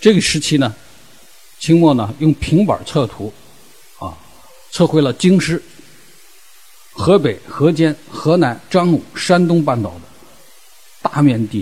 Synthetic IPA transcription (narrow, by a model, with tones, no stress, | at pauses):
ʈ͡ʂɤ˥˩ɡə˩ʂɻ̩˧˥t͡ɕʰi˥nə˨ | t͡ɕʰi˥ŋmwɔ˥˩nə˩jʊ˥˩ŋpʰi˧˥ŋpə̰˞˨˩t͡sʰɤ˥˩t̪ʰu˧˥ | ɐ̰˧˩ | t͡sʰɤ˥˩xwe˥ɪlə˨t͡ɕi˥ŋʂɻ̩˥˩ | xɤ˧˥pe˨˩ɪxɤ˧˥t͡ɕjɛ˥nxɤ˧˥na˧˥nʈ͡ʂɑ˥ŋnu˨˩ʂa˥nt̪̬ʊ˥ŋpa˥˩nt̪ɑ˨˩ʊd̪ə˦ | t̪a˥˧mɥjɛ˥˧nt̪i˥˩